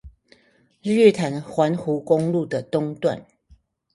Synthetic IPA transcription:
ɻy˥˨t̪ʰa˨˦nxwa˨˦nxu˨˦kʊ˦ŋlu˥˨˩d̪ə˨˩t̪ʊ˥˦ŋt̪wa̰˥˨n

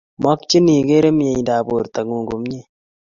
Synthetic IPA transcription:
mɔ˦kt͡ʃi˦ni˨ɡe˦ɾe˦mje˨ɲ˨ndaː˨bo˨ɾta˨ŋuː˨ŋɡo˨m˦ɲe˦

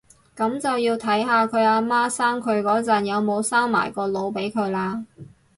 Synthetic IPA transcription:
kɐ˨˥mt͡sɐ˨wjiː˧wt̪ʰɐ˨˥jɦaː˨˧kʰɵ˨˧ɥaː˧maː˥saː˥ŋkʰɵ˨˧ɥkɔː˨˥t͡sɐː˨˩njɐ˨˧wmo˨˧wsaː˥ŋma̰ː˨˩jkɔː˧lo˨˧wpe˨˥jkʰɵ˨˧ɥlaː˧

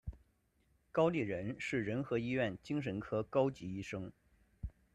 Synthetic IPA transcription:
kɑ˥ʊli˥˩ɻə˧˥nʂɻ̩˥˩ɻə˧˥nxɤ˧˥i˥ɥɛ˥˩nt͡ɕi˥ŋʂ̬ə˧˥nkʰɤ˥kɑ˥ʊt͡ɕi˧˥i˥ʂɤ˥ŋ

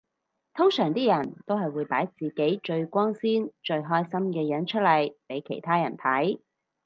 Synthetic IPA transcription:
t̪ʰʊ˥ŋsœː˨˩ŋt̪iː˥jɐ˨˩nt̪o˥whɐ˨jwuː˨˧jpaː˨˥jt͡siː˨ke˨˥jt͡ʃɵ˧ɥkʷɔː˥ŋsiː˥nt͡ʃɵ˧ɥɦɔː˥jsɐ˥mkɛː˧jɐ˨˥nt͡ʃʰɵ˥t̚lɐ˨˩jpe˨˥jkʰe˨˩jt̪ʰaː˥jɐ˨˩nt̪ʰɐ˨˥j

